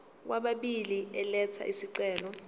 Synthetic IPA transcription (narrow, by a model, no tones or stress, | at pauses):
k̬waɓaɓiliɛlɛt͡sʰa̰ʔisiǀɛːlɔ